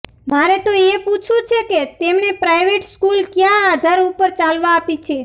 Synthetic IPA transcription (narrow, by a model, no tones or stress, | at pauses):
maɾet̪oeput͡ʃʰũt͡ʃʰeket̪emnepɾajʋeʈskulkjãad̪ʱaɾupəɾt͡ʃalʋaːpit͡ʃʰe